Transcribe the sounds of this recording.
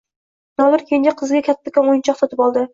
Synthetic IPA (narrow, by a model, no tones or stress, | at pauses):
nɒlɪɾkʲʰend͡ʒaqʰɨzɡʲakʲʰat̪ʰːakʲanojɪnt͡ʃʰɒqsot̪ʰɪpɒlˠd̪ɪ